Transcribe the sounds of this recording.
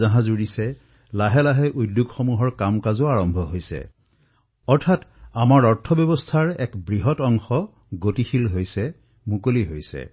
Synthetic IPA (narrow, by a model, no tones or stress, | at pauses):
aɦãzuɹisɛ | laɦɛlaɦɛʔudjuɡxomuɦɔɹkamkazʊaɹɔmbʱɔɦojsɛ̰ | ɔɹtʰatamaɹɔɹtʰɔbjɔbɔstʰaɹɛkbɹiɦɔtɔŋxɔ | ɡotixilɦojsɛ | mukoliɦojsɛ̰